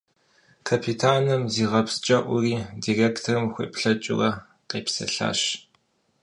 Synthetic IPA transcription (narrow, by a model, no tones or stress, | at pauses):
kʰapʰitʰaːnɨmziːʁɐpst͡ʃʼɐʔʷʊriːdireːktʰɐrɨmxʷḛːpɬɐt͡ʃʼɪ̰rɐ | qeːpsɐ̰ɬa̰ːɕ